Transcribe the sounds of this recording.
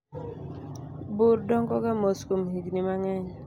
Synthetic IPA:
buɾdɔŋkɔkamoskumɦiɡnimaŋɛɲ

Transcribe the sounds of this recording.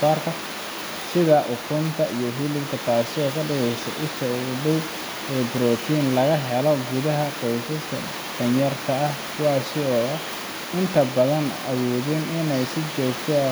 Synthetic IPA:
aːrkʰɐ | sɪðɐʔʊkʰʊnt̪ʰɐʔijɔɦilɪbk̪ʰɐt̪aːsɪɔːkʰɐɖɐɣɛsɛ̰ʔʊʃɐɖɐw | ɛːbɾɔːt̪ʰiːnlɐɣɐɦɛlɔɡʊðɐɦɐkɔjsɐst̪ʰɐ̰ | d̥ɐnjɐrt̪ʰɐɐhkʰʊwaːsɪɔːɐ | ɪnt̪ʰɐbɐðɐnʔɐwɔːðɪnɪnɛjsɪt͡ʃɔːɡt̪ʰɛ

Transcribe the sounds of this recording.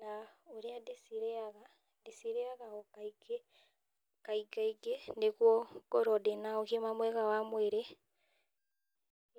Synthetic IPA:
naoɾeadesiɾɛaɣa | desiɾeaɣaɔkaiɡe | kaiɡaiɡenekwɔkɔɾɔdenaokemamwɛɣawamweɾe

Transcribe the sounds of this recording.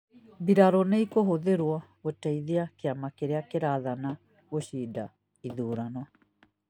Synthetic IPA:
biɾaɾɔneikoɦoðeɾwɔɣotaiðeakeamakeɾeakeɾaðana | ɣoɕiːda̰ | iðuːɾanɔ

